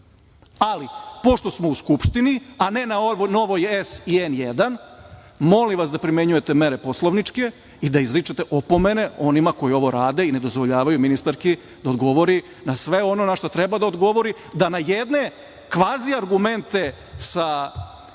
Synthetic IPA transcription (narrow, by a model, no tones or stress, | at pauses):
alipo̞ʃt̪o̞smouskupʃt̪iniane̞naono̞ʋojesienjed̪an | mo̞limʋasd̪apɾime̞ɲuje̞t̪e̞meɾe̞po̞slˠoʋnit͡ʃke̞ | id̪aizɾit͡ʃet̪e̞ʔopo̞mene̞o̞nimako̞jio̞ʋo̞ɾaːd̪e̞ine̞d̪o̞zʋoʎaːʋajuminist̪aɾki | d̪aod̪ɡo̞ʋo̞ɾi | nasʋe̞o̞no̞naʃt̪ot̪ɾebad̪aod̪ɡo̞ʋo̞ɾi | d̪anajed̪ne̞ | kʋaːziaɾɡume̞nt̪e̞ | sa